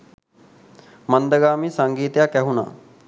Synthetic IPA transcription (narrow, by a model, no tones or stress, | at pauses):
mand̪əɡaːmisaŋɡiːt̪əjakæɦuna̰ː